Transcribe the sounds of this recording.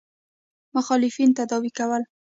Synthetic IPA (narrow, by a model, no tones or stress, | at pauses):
mʊxɑlɪfint̪ad̪ɑwikawəl